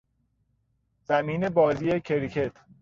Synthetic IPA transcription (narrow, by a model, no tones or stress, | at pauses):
z̥æmiːne̞bɒːziːecʰeɾicʰe̞t̪ʰ